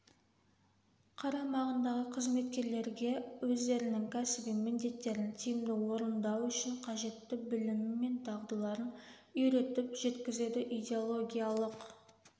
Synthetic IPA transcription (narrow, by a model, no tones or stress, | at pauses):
qʰɑɾɑmɑʁənd̪ɑʁəqʰəzme̞t̪kʲe̞ɾle̞ɾɡʲe̞wɵzd̪e̞ɾɪnɪŋkʲʰæsɪbijmɪnd̪e̞t̪ːe̞ɾɪnt̪ʰijɪmd̪ɪwo̞ɾənd̪ɑwʏʃɪɴqʰɑʒe̞t̪ːɪbɪlɪmɪmːe̞nt̪ʰɑʁd̪əlˠɑɾən | ʏɾe̞t̪ɪpʒe̞t̪kʲɪzed̪ɪʔid̪ʲe̞o̞lˠo̞ɡʲijalˠəq